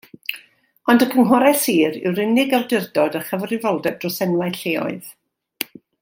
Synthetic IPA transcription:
ɔndəkʰəŋɦɔɾɛsiːɾɪ̰wɾɪnɪɡawdɪrdɔdəχəvrɪvolˠdɛb̚drɔsɛnwajɬeːɔ̰ɨð

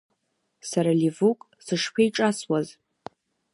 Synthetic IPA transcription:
saɾalivukʼ | sɨʂpʷʰejʈ͡ʂʼaswaz

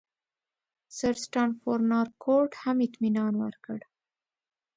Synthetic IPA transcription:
saɾsʈɑnfoɾnɑɾkʰoɾʈhamɪt̪minɑnwa̰ɾkəɽ

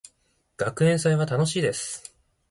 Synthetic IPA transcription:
ɡ̥akɯ̟ẽ̞ɰ̃saiβat̪ano̞ɕiːd̪e̞sɨ̥

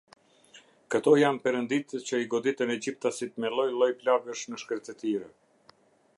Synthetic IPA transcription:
kət̪ɔjampɛɾənd̪it̪ət͡ɕəiɡɔd̪it̪ənɛd͡ʑip̚t̪asit̪mɛlˠɔjlˠɔjplavəʃməʃkəɾt̪ət̪iɾɛ

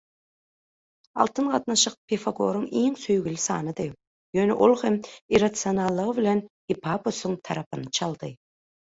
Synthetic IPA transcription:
ɑ̰lˠt̪ʰɯnɢɑt̪nɑʃɯq̚pʲʰefaɡo̞ːɾuŋiːŋsøjɡylysɑ̰ːnɯd̪ɯ | jøːneʔolˠhemiɾɑt̪sionɑlˠːɯʁɯβilʲen | ipʰɑposuŋt̪ʰɑɾɑpɯnt͡ʃʰɑlˠd̪ɯ

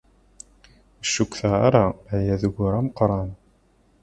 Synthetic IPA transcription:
əʃːukθəʁaɾajæðəʝʊɾæməqɾˤɑn

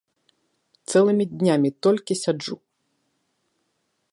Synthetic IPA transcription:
t̪sɛlˠɨmʲid̪ʲnʲamʲit̪ɔlʲkʲisʲad͡ʐu

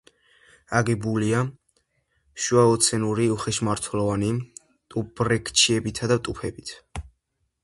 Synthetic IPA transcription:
aɡɛbulia | ʃuaɔt̪sʰɛnuɾiuχɛʃmaɾt̪ʰwlˠɔvani | t̪ʼubɾɛkʰʼt͡ʃʰiɛbit̪ʰad̪avt̪ʼupʰɛbit̪ʰ

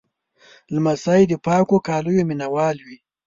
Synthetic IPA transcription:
lmasajd̪əpɑːkokɑːlujominawɑːlwi

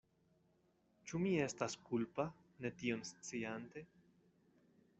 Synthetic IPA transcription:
t͡ʃumie̞staskulpa | ne̞tio̞nst͡siante̞

